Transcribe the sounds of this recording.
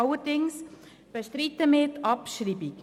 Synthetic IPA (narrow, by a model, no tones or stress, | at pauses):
ɑləɾdɪŋs | b̥əʃtɾitəmɪːɾtʰɑpʃɾiːbik